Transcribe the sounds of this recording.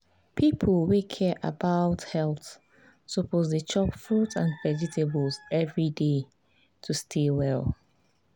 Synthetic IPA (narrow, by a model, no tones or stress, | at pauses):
pʰipʰəlˠwekʰɛʔa̰baʊthɛlˠθ | sopozdət͡ʃɔpfɹutãnvɛd͡ʒitʰebəlzɛvɹide | tʰustʰewɛlˠ